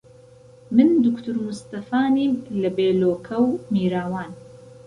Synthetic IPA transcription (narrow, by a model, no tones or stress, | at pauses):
mɨnd̪ʊkt̪ʰuɾmust̪ɐfaːniːmlɐbeːloːkʰɐwmiːɾaːwaːn